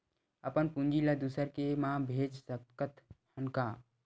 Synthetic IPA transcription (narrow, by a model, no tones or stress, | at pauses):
əpənpũnd͡ʒiləd̪usəɾkemãbʱeːd͡ʒsəkət̪hənka